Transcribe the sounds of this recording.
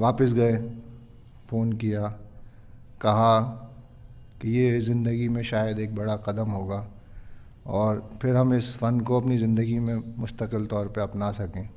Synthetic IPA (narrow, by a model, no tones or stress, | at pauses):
ʋaːpɪs̬ɡɐẽ | foːnkija | kɐɦa | kijezɪ̃nd̪əɡimẽʃaːjəd̪eːk̚bɐɽaqɐd̪əmɦoːɡaː | ɔːɾpʰɪɾɦɐmɪsfɐnkoɐpnizɪ̃nd̪əɡimẽmʊst̪əqɪlt̪ɔːɾpeɾɐpnasɐkẽː